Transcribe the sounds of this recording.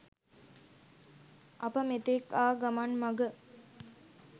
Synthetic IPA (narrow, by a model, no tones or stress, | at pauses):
ʔɐpəmet̪ekaːɡamanmɐɡə